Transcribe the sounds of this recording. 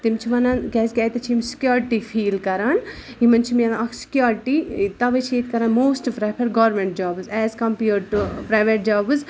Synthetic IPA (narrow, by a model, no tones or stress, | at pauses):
t̪imt͡ʃʰiʋɐnɐnkɛːzkʲɛːt̪ɐt͡ʃʰiimsi̥kjoːɾiʈifʰiːlkɐɾan | imɐnt͡ʃʰimjɐnɐkʰsi̥kjoːɾiʈit̪ɐʋɐt͡ʃʰeːt̪kɐɾanmoːsʈpɾapʰɐɾɡɐːɾmẽɳʈ̚d͡ʒaːbɨzɛːzkɐmpiːɾɖʈupɾajʋeʈ̚d͡ʒaːbɨz